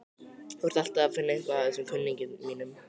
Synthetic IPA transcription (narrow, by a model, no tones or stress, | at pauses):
θɔɾ̥t̪al̥t̪aaðfɪnːaɪŋ̥kvaaðɛsɛmkʰʏnːiɲcɪðmiːnʏm